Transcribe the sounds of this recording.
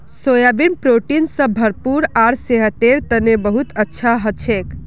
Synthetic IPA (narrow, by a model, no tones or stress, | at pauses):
sojabinpɾoʈinsə̃bʱəɾpuɾaɾseɦət̪eɾt̪ənebəɦut̪ətːʃʰaɦət͡ʃʰek